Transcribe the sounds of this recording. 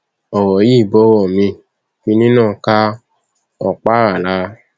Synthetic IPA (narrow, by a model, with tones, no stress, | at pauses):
ɔ˨wɔ˨ji˦˨bɔ˦wɔ˦˨mĩ˧ | fĩ˧nĩ˦nãː˦˨˦ka˦ | ɔ˨k͡pa˦ɾa˨la˨˧˦